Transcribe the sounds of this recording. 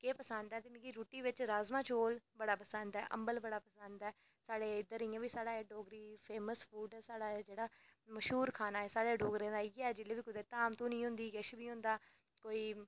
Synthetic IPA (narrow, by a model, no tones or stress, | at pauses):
keːpəsə̃nd̪ɛːt̪eːmɪ̃ɡiːɾuːʈiːʋɪt͡ʃɾaːzmãːt͡ʃoːlbəɽaːpəsənd̪ɛːʔə̰mbəlbəɽaːpəsənd̪ɛː | saːɽeːɪd̪əɾiːãːʋiːsaːɽaːeɖoːɡɾiːpʰeːməsfʰuːɖɛːsaːɽaːd͡ʒeːɽaːməʃɦuːɾkʰaːnaːɛːsaːɽeːɖoːɡɾẽːd̪aːiːɡɛːd͡ʒɪlːeːʋiːkʊd̪eːt̪aːmt̪õːnĩːɦʊ̃nd̪iːɡəʃbʱiːɦʊ̃nd̪aː | koːiː